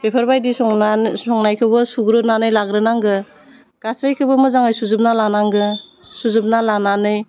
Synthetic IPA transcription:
bepʰaɾbajdisɔasɔŋnajkʰɯbɯsuɡɾɯnanɯjlaɡɾɯnaŋɡɯ | ɡ̥asajkʰɯbɯmɯzaŋajsuzɯp̚nalanaŋɡɯ | suzɯp̚nalananɯj

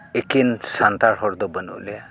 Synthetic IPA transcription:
ekinsant̪aɾɦɔɾd̪ɔbənṵʔlɛa

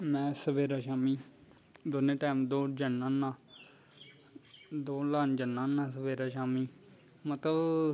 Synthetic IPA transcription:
mɛ̃ːsəbeːɾaːʃaːmiː | d̪ʊnẽːʈaːmd̪oːd͡ʒənːãːnãː | d̪oːlaːnd͡ʒənːãːnãːsəʋeːɾaːʃaːmiː | mət̪ləb

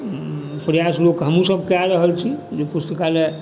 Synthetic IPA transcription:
pɾəjaslokɦəmusəb̚ʱkaɾəɦəlt͡ʃʰid͡ʒepust̪əkale

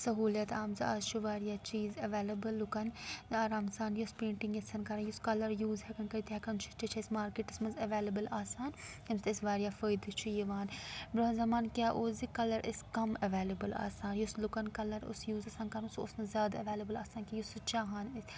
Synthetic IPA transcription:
sɐɦuːlɐt̪ʰaːmzɐa̰ːzt͡ʃʰuʋaːɾijat͡ʃiːzɐʋeːlɐbəlːʊkɐnaːɾaːmɐsaːnjɐspẽːɳʈɪŋɡɐsɐnkɐɾɐjʊskɐlɐɾjuːzɦɛkɐnkɐɾit̪ʰiɦɛkɐnt͡ʃʰu̥t͡ʃit͡ʃʰɐsmaːɾkeʈɪsmɐnzɐʋeːlɐbəlaːsaːn | ɐmst̪ɪsʋaːɾijafəːjd̪it͡ʃʰujiʋaːnbɾɐzɐmaːnkʲjaːʔoːzikɐlɐɾʔɪskɐmɐʋeːlɐbɐla̰ːsaːnjuslukɐnkɐlɐɾʊ̰sjuːzɐsaːnkɐɾso̰ːsnɐzʲjaːd̪ɐʋeːlɐbɐlaːsaːnkʲajusut͡ʃaːɦaːnɪs

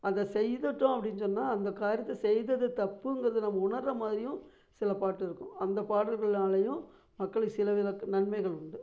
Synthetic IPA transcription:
ɐðɐsɛjðɯʈːʊ̃ɐpːɐɽɪnːsɔnːaːɐnd̪ɐkaːɾɪjɐt̪ːɐsɛjðɐðɯt̪ɐpːɯŋɡɐɾɐðɯnɐmːɐʊɳɐɾːɐmaːðɪɾɪjʊ̃ | sɪlɐpaːʈːɪɾɯkːʊ̰̃ɐnd̪ɐpaːɽɐlɣɐɭnaːɭɐjʊ̃ | mɐkːɐɭɯkːɯsɪlɐʋɪlɐkːnɐɳmɐɪɣɐɭʊɳɖɯ

